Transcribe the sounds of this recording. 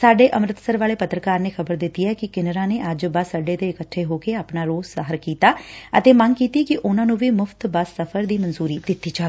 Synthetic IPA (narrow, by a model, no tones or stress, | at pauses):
saːɖeːʔəmɾɪt̪səɾʋaːleːpət̪ɾəkaːɾneːkʰəbəɾd̪ɪt̪ːiːɛːkɪkɪnəɾãːneːʔəd͡ʒbəsəɖeːt̪eːɪkəʈʰːeːɦoːkeːaːpnaːɾoːzsəɦəɾkiːt̪aːə̰t̪eːməŋkiːt̪iːkɪʔʊnãːnũːʋiːmʊfʰt̪bəsːəpʰəɾd̪iːmənzuːɾiːd̪ɪt̪ːiːt͡ʃaː